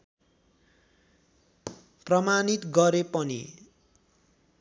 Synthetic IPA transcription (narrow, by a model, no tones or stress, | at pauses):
prʌmanit̪ɡʌɾepʌnḭ